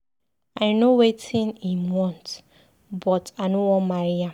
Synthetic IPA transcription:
ajnowetʰĩnimwɔ̃nt | bɔtanowɔ̃nmaɹija

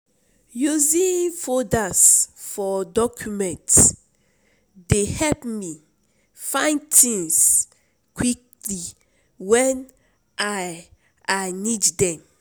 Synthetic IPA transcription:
juzĩnfɔdasfɔdɔkʰjumɛ̃nt | dehɛlpmi | fãɪ̃ntʰĩŋs | kwik̚ | li | wɛn | ʔa | aniddɛ̃m

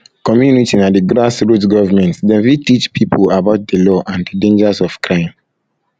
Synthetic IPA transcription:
kɔmjunitinadiɡɾasɹutɡɔvamɛ̃ntsdɛ̃nwitit͡ʃpʰipʰulabaʊt̚dəlɔʔãndədẽnd͡ʒasɔv̥kɹãɪ̃m

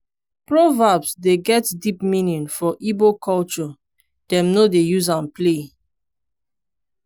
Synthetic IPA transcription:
pɹɔvabsdeɡɛtdipmĩnĩnfɔʔibokɔlt͡ʃɔ | d̥ɛ̃mnodejuzãnple

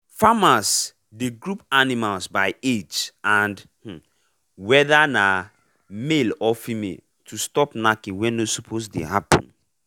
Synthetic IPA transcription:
famas | deɡɹupanimalsbaɪed͡ʒãndh̩ | wɛðana | melɔfimḛl | tʰustɔpnakĩwɛ̃nosɔpʰosdḛhapə̰̃n

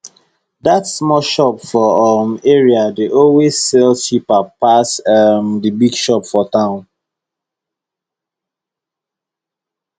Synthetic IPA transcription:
datsmɔlʃɔpfɔmeɹiadeʔowesːelʃipapasɛmdibiɡʃɔpfɔtãʊ̃n

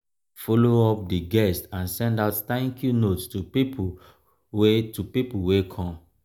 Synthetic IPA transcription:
foloɔp̚diɡɛstãnsɛ̃ndaʊtθãŋkjunotstupipu | wetupipuwekʰɔ̃m

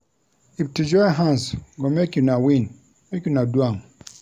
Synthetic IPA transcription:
iftid͡ʒɔjɦãnsɡomekjunawĩn | mekjunadwãm

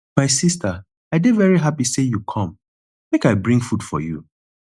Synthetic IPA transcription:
maɪsistə | aɪdevɛɹiɦapisejukʰɔ̃m | mekaɪbɹĩŋɡfud̥fɔ̰jṵ

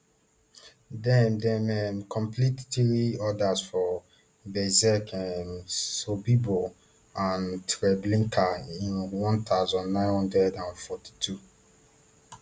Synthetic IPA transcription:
dɛmdɛmɛmkʰɔ̃mplittiɹiɔdasfɔ | bɛzɛkɛmsobibo | ãntɹɛblĩŋkʰaĩnwɔ̃nt̪awzɔ̃nːãɪ̃nhɔ̃ndɛdãnfɔti̥tʰu

